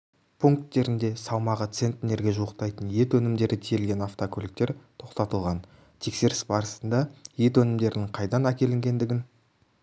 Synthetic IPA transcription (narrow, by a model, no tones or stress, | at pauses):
pʰuŋk̚t̪ːe̞ɾɪnd̪e̞sɑwmɑʁət̪se̞nt̪ʲːɪne̞ɾɡʲe̞ʒuəqt̪ɑjt̪ənje̞t̪wɵnɪmd̪e̞ɾɪt̪ʰijelɡʲe̞naft̪okʰolɪk̚t̪e̞ɾt̪ʰo̞qt̪ɑt̪əlˠʁɑn | t̪ʰe̞kse̞ɾɪsbɑɾəsənd̪ɑje̞t̪wɵnɪmd̪e̞ɾɪnɪŋqʰɑjd̪ɑnækʲe̞lɪŋɡʲe̞nd̪ɪɡʲɪn